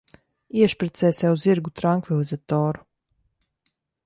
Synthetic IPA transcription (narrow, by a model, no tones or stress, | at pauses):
iɛʃpɾɛt̪sɛsɛauziɾɡut̪ɾaŋkvɛlˠizat̪ɔːɾ